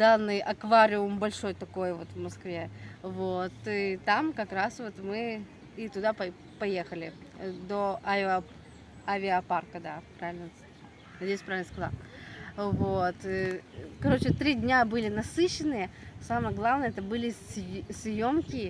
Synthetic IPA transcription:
d̪anːɨjʔɐkvaɾʲɪʊmbɐlʲʂo̞jt̪ɐko̞jvo̞t̪vmɐskvʲevot̪ɨt̪amkɐkɾasvo̞t̪mɨ | it̪ʊd̪apɐ | pɐje̞xəlʲɪd̪oʔa | avʲɪɐparkəd̪apɾavʲɪlʲnə | nɐdʲejʊsʲpɾavʲɪlnəskɐzˠa̰ | vot̪ | kɐɾo̞t͡ɕɪt̪ɾʲidʲnʲabɨlʲɪnɐsɨɕːɪnɨjə | saməjəɡlˠavnəjəɛt̪əbɨlʲɪssʲjo̞mkʲɪ

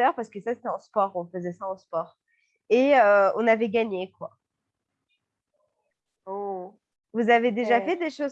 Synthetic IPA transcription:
œʁpaʁsə̥kəsase̥t̪ɛɑ̃spɔʁɔ̃fəzɛsaɑ̃spɔːʁ | eøɔ̃navɛɡaɲekwa | o | vuzaved̪eʒafɛd̪eʃoz

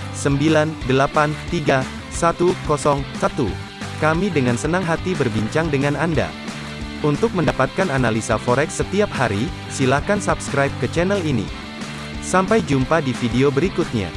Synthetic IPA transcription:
səmbilandəlapant̪iɡa | sat̪ukɔsɔŋsat̪ṵ | kamidəŋansənaŋɦat̪ibərbiɲt͡ʃaŋdəŋananda̰ | unt̪ʊk̚məndapat̪̚kananalisafoɾɛksət̪iaphaɾi | silahkansapskɾajp̚kət͡ʃɛnɛlinḭ | sampajd͡ʒumpadifideobəɾikut̪̚ɲa̰

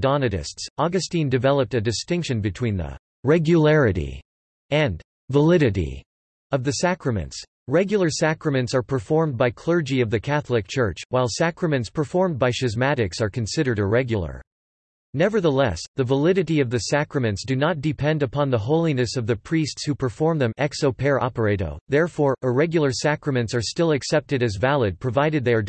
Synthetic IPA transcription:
d̥ɑnɨɾɨ̰stsɑɡɨstĩndɨvɛlˠəp̚tɨdɨstɪ̃ŋkʃɨ̃nbɨtʰw̥ĩnðə̰ | ɹɛɡjɨlɛɹɨɾḭ | ɨ̃n | vəlɪɾɨɾḭ | ʌvðɨsækɹɨmɨ̰̃nts | ɹɛɡjl̩ˠə˞sækɹɨmɨ̃ntsə˞pʰə˞fɔɹm̚baɪkʰl̥ɜ˞d͡ʒiʌvðɨkʰæθlˠɨk̚t͡ʃʰɜ˞t͡ʃwaɪlˠsækɹɨmɨ̃ntspʰə˞fɔɹm̚baɪʃɨzmæɾɨksə˞kʰɨ̃nsɪɾə˞ɾəɹɛɡjəl̩ˠə̰˞ | nɛvə˞ðəlɛsðɨvəlɪɾɨɾiʌvðɨsækɹɨmɨ̃ntsd̥ɨnət̚d̥ɨpʰɛ̃ndɨpʰɑ̃nðəɦoʊlˠinɨsʌvðɨpʰɹ̥istshupʰə˞fɔɹmðɨ̃mɛksoʊpʰɛɹʔɑ̰pə˞eɪɾo̰ʊðɛɹfɔɹʔəɹɛɡjl̩ˠə˞sækɹɨmɨ̃ntsə˞stɪlˠɨksɛp̚tɨɾɨzvælˠɨd̚pʰɹ̥ɨvaɪɾɨd̪̚ðə˞

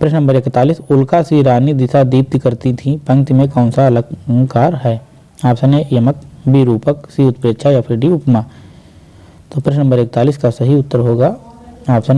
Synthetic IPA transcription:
pɾɪʃnə̃mbəɾɪkt̪aːliːsʊlkasiɾaːnid̪ɪsad̪iːp̚t̪ikɐɾt̪it̪ʰipɐ̃ŋ̚t̪imẽkãːnsaɐləɡkaːɾɦɛː | aːpsɐnejɐmək̚bʱiɾuːpəksiʊt̪̚pɾeːtʃʰajapʰɪɾɖiʊpmaː | t̪oːpɾɪʃnə̃mbəɾek̚t̪aːliːskasɐɦiʊt̪ːəɾɦoːɡaaːpsən

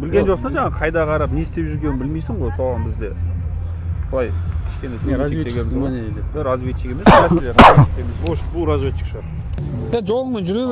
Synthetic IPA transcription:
bɪlɡʲeʒosnɑʒɑɴɑqʰɑjd̪ɑqʰɑɾɑpne̞st̪e̞pʒʏɾɡʲenɪnbɪlmejsɪɴʁojsoʁɑnbɪzd̪e̞ | bʊlˠɑjkʲʰɪ̥ʃkʲe̞nesʰet̪eɡʲebɪzmned̪eɪɾɑzvet̪t͡ʃːɪkʲe̞me̞sæselʲeɾɑet̪emezʃbʊlˠɾazvʲet̪t͡ʃːɪ̥kʃʁɑɾ | jaʒolˠəʁəmenʒʏɾe

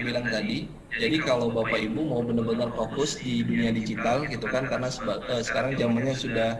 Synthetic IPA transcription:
bilaŋt̪adi | d͡ʒadikalawbapaibumaubənərbənərfokʊsdiduniadid͡ʒit̪alɡit̪ukankaɾənasəəsə̥kaɾaŋd͡ʒamanɲasudah

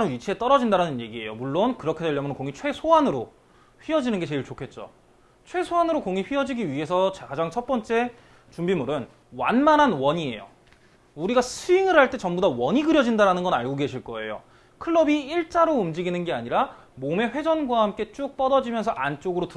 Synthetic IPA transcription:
nɯnɥit͡ɕʰiet͈ʌɾʌd͡ʑindaɾanɯnje̞ɡie̞̰jomuɭːonkɯɾʌkʰe̞dweʎːjʌmjʌnkoŋit͡ɕʰwe̞sʰoanɯɾo | ɸɥiɦʌd͡ʑinɯnɡe̞t͡ɕe̞iɭt͡ɕokʰe̞t̚t͡ɕ͈o̰ | t͡ɕʰwe̞sʰoanɯɾokoŋiɸɥiɦʌd͡ʑiɡiɥiɦe̞sʰʌt͡ɕkad͡ʑaŋt͡ɕʰʌt̚p͈ʌnt͡ɕ͈e̞ | t͡ɕumbimuɾɯn | wanmananwʌɲie̞̰jo̰ | uɾiɡasʰɯiŋɯɭɦaɭt͈e̞t͡ɕʌmbudawʌɲiɡɯɾjʌd͡ʑindaɾanɯnɡʌnaɭɡoɡe̞ɕʰiɭk͈ʌe̞jo̰ | kʰɯɭːʌbiːɭt͡ɕ͈aɾoumd͡ʑiɡinɯnɡeaɲiɾa | mome̞ɸwed͡ʑʌnɡwahamk͈e̞t͡ɕ͈uk̚p͈ʌdʌd͡ʑimjʌnsʰʌʔant͡ɕ͈oɡɯɾot

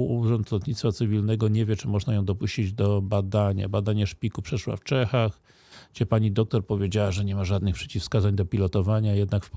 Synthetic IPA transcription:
uuʐɔnt̪lɔt̪ɲit̪sfat̪sɘvʲilnɛɡɔɲevʲjɛt͡ʂɘmɔʐnajɔ̃w̃d̪ɔpuɕt͡ɕid͡ʑd̪ɔbad̪aɲa̰bad̪aɲɛʂpʲikupʂɛʂwa̰ft͡ʂɛxax | ɡd͡ʑɛpaɲid̪ɔk̚t̪ɔɾpɔvʲjed͡ʑawaʐɛɲɛmaʐad̪nɘxpʂɛ̥t͡ɕifskazaɲd̪ɔpʲilɔt̪ɔvaɲajɛd̪nakf

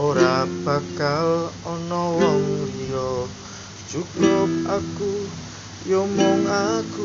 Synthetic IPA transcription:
oɾab̥a̤kalɔnɔwɔŋmuɾiɔ | d̥ʒ̥uɡlop̚aku | jomoŋaɡ̥u

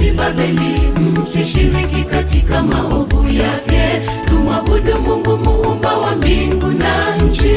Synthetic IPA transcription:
ibaɓɛlim̩siʃiɾikikatikamaɦuvujakɛ | tumwaɓuɗumɡumɡumumbawambiŋɡunaɲ̩d͡ʒi

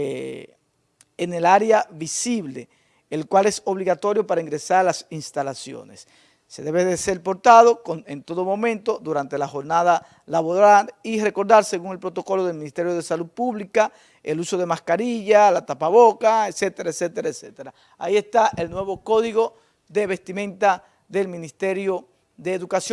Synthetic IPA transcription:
ene̞laɾeaβisiβle̞̰ː | lkwale̞so̞βliɣat̪o̞ɾjo̞paɾaiŋɡɾe̞saɾlasinst̪alasjo̞̰ne̞̰sː | e̞ðeβe̞ðeselpo̞ɾt̪aðo̞kone̞nt̪o̞ðo̞mõ̞mẽnt̪o̞ðuɾant̪e̞laxo̞ɾnaða | laβoðalire̞ko̞ɾðaɾse̞ɣuŋe̞lpɾo̞t̪oko̞lo̞ðe̞lminist̪e̞ɾjo̞ðe̞saluð̚puβlika | eluso̞ð̞e̞maskaɾiʝalat̪apaβo̞kaet̪se̞t̪e̞ɾaese̞t̪eɾaese̞t̪eɾa | a̰ie̞st̪aʔe̞lnwe̞βo̞ko̞ðiɣo̞ | ðe̞βe̞st̪imẽ̞nt̪a | ðe̞lmĩnist̪e̞ɾjo̞ | ðe̞ːðukasjo

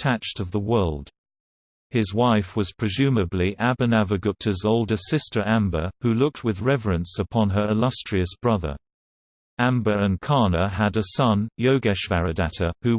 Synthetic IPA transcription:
tʰæt͡ʃtʌvðəwɜ˞lˠd̥ | hɪzwaɪfwʌz̥pʰɹ̥ɨzʉmɨbliʔæbɨnævəɡʊk̚tʰɨzoʊlˠdə˞sɪstə˞ʔæ̃mbəhʉlʊk̚t̚wɨðɹɛvəɹɨ̃nsəpʰɑ̃nə˞ɨlʌstɹ̥iɨsb̥ɹʌðə̰˞ | æ̃mbə˞ɨ̃nkʰɑɹnəəɾɨsʌ̃njoʊɡɛʃvæɹɨdæɾəhʉ

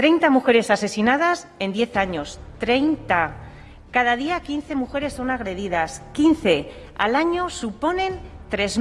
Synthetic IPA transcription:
t̪ɾe̞jnt̪amuxe̞ɾe̞sase̞sinað̞as | e̞nd̪je̞θaɲo̞st̪ɾejnt̪a | kaðað̞iakinθe̞muxe̞ɾe̞sːo̞naɣ̞ɾe̞ð̞ið̞askinθe̞ | a̰laɲo̞supo̞nẽ̞nt̪ɾe̞z

